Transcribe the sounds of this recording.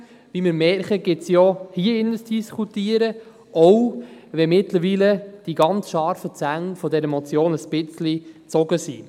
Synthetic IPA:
vimɪɾmɛɾχəɡ̥ɪtsjɔhiəɪnəsd̥iskʰutiːəɾə | ʔɔwvɛmɪtləɾviːləd̥iɡɑnt͡sʃɑɾfət͡sæŋfɔdɛɾəmɔt͡sjoːnəsb̥ɪt͡slit͡sɔɡəsḭː

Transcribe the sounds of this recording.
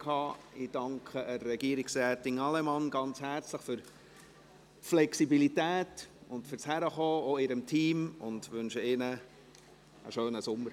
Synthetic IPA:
kʰɑː | ɪd̥ɑŋkʰχəərːɛɡiəɾɪksɾɛːtɪŋɑlɛmɑnɡ̥ɑnt͡shæːɾt͡sləχfʏɾ | flɛksibilitæːtʊntfʏɾshæɾəχoːoɪɾəmtʰiːmʊndʋʉnʃəɪnə | ə̰ʃøːnəsʊmːəɾ

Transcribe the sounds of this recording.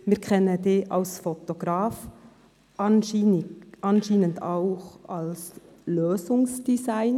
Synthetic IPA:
mɪːɾkʰɛnədeːʔɑlsfot̪oɡ̥ɾaːf | ʔɑnː | ʔɑnʃiːnəndɑʊxɑls | løːsʊŋsd̥izaɪn

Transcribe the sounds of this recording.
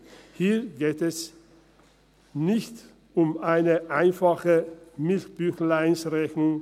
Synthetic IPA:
hiːɐɡeːtɛs | nɪçt | ʊmaɪnəʔaɪnfaχəmɪltb̥yçlaɪnsʁɛçnʊŋ

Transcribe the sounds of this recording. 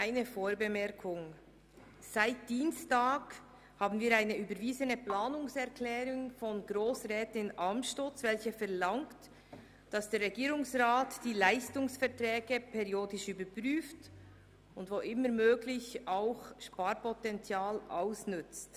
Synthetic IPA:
aɪnəfoːɹbəmɛʁkʰʊŋ | saɪt̚d̥iːnstaːɡ | haːbn̩viːɾaɪnəyːbəɾviːzənəplaːnʊŋsɛʁkʰlɛːɾʊŋfɔnɡɾoːsʁɛːtɪnʔɑmʃtot͡svɛlçəfɛʁlɑŋt | d̥ɑsd̥eːɾʁɛɡiːɾʊŋsʁaːtd̥iːlaɪstʊŋsfɛʁtɾɛːɡ̥əpʰɛʁioːdɪʃyːbəpʁyːft | ʊndvoʔɪməɾmøːɡlɪçaʊxʃpaːɾpɔtɛnt͡sjaːlʔa̰ʊsnʏt͡st

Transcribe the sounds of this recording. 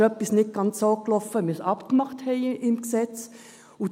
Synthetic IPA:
œpːisnɪt̚ɡ̥ɑnt͡soːklɔfəmysɑpkmɑχthɛɪɪmksɛt͡s | ʊ

